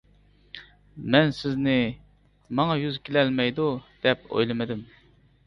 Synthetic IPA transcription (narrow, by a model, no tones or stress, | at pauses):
mɛnsɪznɪ | mɑŋɑjyzkʲelɛlmɛjd̪ud̪̥ɛpo̰jlˠɨmɨd̪ɪm